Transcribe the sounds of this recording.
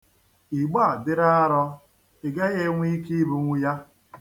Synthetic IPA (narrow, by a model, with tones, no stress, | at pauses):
i˨ɡ͡ba˦˨dɪ˦ɾa˦a˦ɾɔ˦ | ɪ˨ɡa˦ɣe˦ŋʷ˦i˦ki˦bʊ˨ŋʷʊ˦ja˦